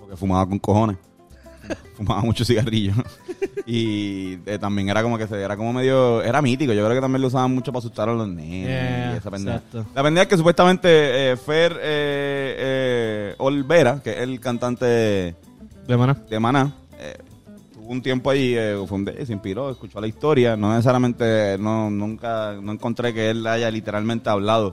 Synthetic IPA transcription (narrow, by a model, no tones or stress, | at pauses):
poɾkefumaβakoŋko̞ho̞nes | fumaβamut͡ʃosiɣariʝo | i | et̪ambjeŋe̞ɾako̞mo̞ke̞seeɾako̞momeðjo̞e̞ɾamit̪ikoʝokɾe̞oket̪ambjeleusaβamːut͡ʃopaːs̬ut̪ɾaɾalo̞nenosiesapend̪ealapend̪eekes̬up̬west̪amẽnt̪e̞efeɾe | olβe̞ɾakeʔelkant̪ant̪e̞ðe | d̪emanad̪emanã | ḛ | t̪uβount̪je̞mpoaʝiefweund̪es̬impilo̞eskut͡ʃo̞laist̪o̞ɾjano̞neses̬aɾjamẽnt̪e̞nonũŋkanoeŋkont̪ɾe̞ke̞elaʝalit̪e̞ɾalmẽnt̪eaβlaðo